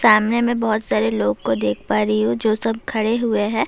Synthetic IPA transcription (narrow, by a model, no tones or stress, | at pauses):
saːmnemẽbɔɦʊt̪saːɾeloːɡkod̪eːkʰpaːɾiɦũd͡ʒoːsɐb̚kʰɐɽeɦʊeɦɛ̃ː